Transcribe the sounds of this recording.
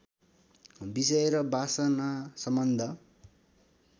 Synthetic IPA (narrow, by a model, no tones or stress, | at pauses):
bisʌeɾʌbasʌnasʌmbʌnd̪ʱʌ